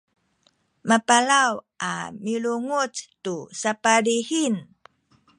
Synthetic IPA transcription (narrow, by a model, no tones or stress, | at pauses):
mapalawʔa̰miɭuŋut͡stusapalihin